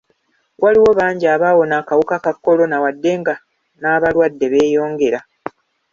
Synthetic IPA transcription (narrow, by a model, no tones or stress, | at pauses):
wʔaliwo̞βaːɲɟaːβaːwo̞naːkawukakakːo̞lo̞nawadːe̞ŋɡa | naβalwadːe̞βe̞ːjo̞ːŋɡe̞ɾa